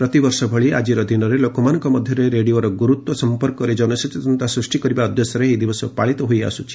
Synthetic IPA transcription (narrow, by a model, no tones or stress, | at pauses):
pɾɔt̪ibɔɾsɔbʱɔɭia̰d͡ʒiɾɔd̪inɔɾelokɔmanɔŋkɔmɔd̪ʱjɔɾeɾeɽioɾɔɡuɾut̪wɔsɔmpɔɾkɔɾed͡ʒɔnɔsit̪it̪ɔnt̪asɾusʈikɔɾibaɔd̪ʱjɔsjɔɾeɦid̪ibɔsɔpaɭit̪ɔɦoja̰sut͡ʃʰi̥